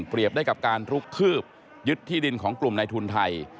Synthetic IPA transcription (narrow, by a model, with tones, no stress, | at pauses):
pɾi˨˩əp̚daː˥˩jka˨˩p̚kaː˧nɾu˦˥kʰːɯː˥˩p̚ | jɯ˦˥t̪ʰːiː˥˩di˧nkʰɔː˩˦ŋklu˨˩mna˧jt̪ʰu˧nt̪ʰa˧j